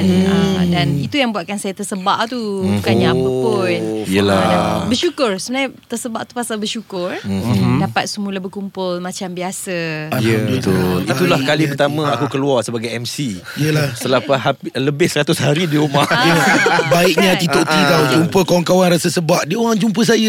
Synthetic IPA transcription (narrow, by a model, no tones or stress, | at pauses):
ndanit̪ujaŋbuaʔ̪̚kansajat̪ərsəbaʔt̪ubukanɲaapəpʊniəlabərʃukʊrsəmbənajt̪ərsəbaʔt̪upasalbərʃukʊrdapat̪̚səmulabəkumpʊlmãt͡ʃambiasəjət̪ʊlit̪ulahkalipərt̪amə̃akukəluarsəbaɡajɛmsi | jəlasəlapaɦapləbɪhsəɾat̪ʊsɦaɾidiuma | baiʔ̚ɲat̪it̪oʔt̪idawd͡ʒumpəkawaŋkawanɾasəsəbaʔdioɾaŋd͡ʒump̬əs̬ajə